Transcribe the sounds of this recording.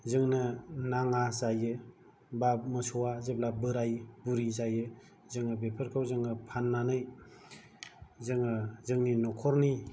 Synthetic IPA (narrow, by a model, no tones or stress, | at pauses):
zɯŋnɯnaŋazajɯ | bamɯsɔwazeb̚labɯɾajbuɾizajɯ | zɯŋɯbepʰɯɾkʰawzɯŋɯpʰanːanɯj | zɯŋɯzɯŋninɔkʰɔɾni